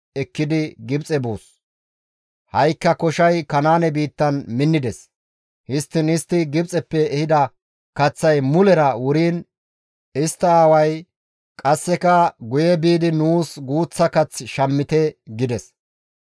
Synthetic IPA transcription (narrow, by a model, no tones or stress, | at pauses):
ɛkːɪd̪ɪɡɪbt͡sʼɛbo̰ːs | hɐjkːɐkɔʃɐjkɐnaːnɛbiːt̪ːɐnmɪnːɪd̪ɛs | hɪst̪ːɪnɪst̪ːɪɡɪbt͡sʼɛpːɛːhɪd̪ɐ | kɐt͡sːɐjmʊlɛɾɐwʊɾiːn | ɪst̪ːɐaːwɐj | kʼɐsːɛkɐɡʊjɛbiːd̪ɪnuːsɡuːt͡sːɐkɐt͡sːʃɐmːɪt̪ɛɡɪd̪ɛs